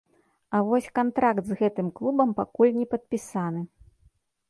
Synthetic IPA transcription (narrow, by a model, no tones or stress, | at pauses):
ɐvɔsʲkant̪ɾakt̪zɣɛt̪ɨmklˠubɐmpakulʲnʲɛpɐt̪̚pʲisanɨ